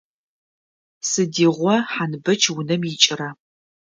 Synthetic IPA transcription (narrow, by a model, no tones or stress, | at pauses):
sɨdiːʁʷɔħanɨbɐt͡ʃʰwʊnɐmjɪt͡ʃʼɪrɐ